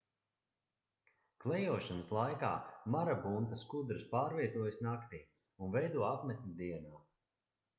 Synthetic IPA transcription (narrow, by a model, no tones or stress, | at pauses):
klˠɛjuɔʃanəslˠajka̰ːmaɾabunt̪askud̪ɾɨspaːɾviɛt̪uɔjsnakt̪iː | unvɛjd̪uɔapmɛt̪̚ʲnʲid̪iɛnaː